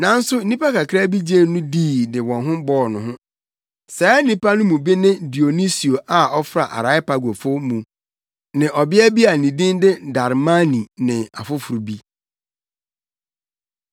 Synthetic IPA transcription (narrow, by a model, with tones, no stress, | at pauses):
nã˨n̩˦sʊ˦n̩˦nĩ˦pʰa˦ka˨kʰɾa˦bi˦d͡ʑe˦˨nʊ̃˦diː˦˨dɪ˨wɔ̃˨nɦʊ̃˦bɔː˦˨nʊ̃˨ɦʊ̃˦ | sɛː˨˦nĩ˦pʰa˦nʊ̃˦mũ˨bi˦nɪ̃˦di˨o˨ni˦si˨o˨ʔa˨ɔ˦fɾa̰˨ʔa̰˨ɾa˨˦ɪ˦pa˨ɡo˨fʊ˦mũ˨ | nɪ̃˨ʔɔ˨bɪ˦ɛ˦bi˦a˨nĩ˨dĩ˦ndɪ˦da˨ɾma˦nĩ˨nɪ̃˨a̰˨fʊ˦fʊ˨ɾu˨bi˦